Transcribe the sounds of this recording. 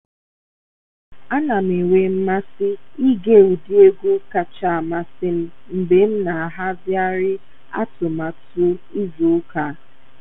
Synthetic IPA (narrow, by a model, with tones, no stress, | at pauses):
a˦na˨m̩˨e˨wʷe˨˦m̩˦ma˦sɪ˦i˦ɡe˦˨u˨di˦e˦ɡʷu˦ka˨t͡ʃa˦˨a˨ma˨sɪ˦m̩˦m̩˨be˨˦m̩˦na˨a˨ɦa˦bja˦ɾɪ˦ | a̰˦tʊ˨ma˨tu˦i˦zu˨ʊ˦ka˨˦